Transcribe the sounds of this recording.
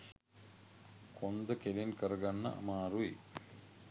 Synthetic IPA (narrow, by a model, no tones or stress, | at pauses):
kʰond̪ɐkelinkɐɾɐɡɐnːɐ̰ʔɐ̰maːɾui